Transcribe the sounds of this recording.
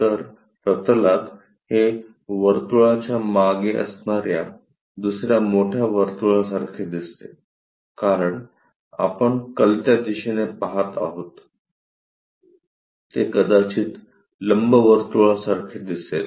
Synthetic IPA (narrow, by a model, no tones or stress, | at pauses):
t̪əɾ | ɾət̪əlat̪ | he | ʋəɾt̪uɭat͡ɕjamaɡeʔə̰snaɾja | d̪usɾjamoʈʰjaʋəɾt̪uɭas̬aɾkʰed̪ist̪e | kaɾəɳ | a̰pəɳkəlt̪jad̪iɕinepaɦat̪a̰ɦot̪ | t̪ːekəd̪at͡ɕiːt̪ | ləmbəʋəɾt̪uɭasaɾkʰed̪iset̪